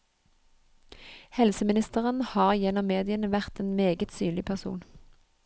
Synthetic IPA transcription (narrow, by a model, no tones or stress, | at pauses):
hɛlsəmɪnɪst̪əʁənhɑːʁjɛnɔmːeːd̪ɪənəʋæʁt̪eːnmeːɡət̪syːnlɪpʰæʁsṵːn